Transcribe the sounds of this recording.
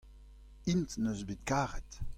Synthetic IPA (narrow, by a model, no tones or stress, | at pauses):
intnøzbet̪̚kaːʁɛt